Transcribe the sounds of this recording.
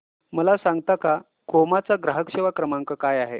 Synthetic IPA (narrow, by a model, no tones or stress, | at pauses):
məlasaŋɡ̚t̪aka | komat͡saɡɾaɦəkɕeʋakɾəmaŋkəkajaɦe